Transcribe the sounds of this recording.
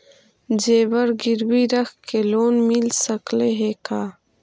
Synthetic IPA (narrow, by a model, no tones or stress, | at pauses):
d͡ʒeːbəɾɡiɾwiɾəxkeloːnmilsɐkleɦekaː